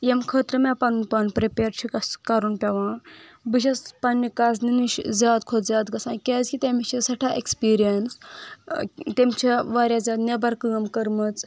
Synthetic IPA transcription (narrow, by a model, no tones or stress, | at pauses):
jemkʰət̪ɾəmapannpanpɾepʲeɾt͡ʃʰikɐskaɾunpʲaʋãːbɨʃ̬ɐspanːikas̬niniʃzʲaːd̪kʰod̪zʲaːd̪ɡɐsãkʲazkʲit̪emit͡ʃʰisɐʈʰaʔekspiːɾijəns | t̪emt͡ʃʰiʋaːɾjazʲaːd̪nebɐɾkːəmkɐɾmət͡s